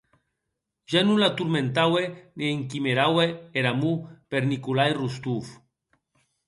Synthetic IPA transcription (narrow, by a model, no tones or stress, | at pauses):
ʒanulat̪uɾmẽnt̪awenieŋkimeɾaweeɾamupeɾnikulajrust̪uf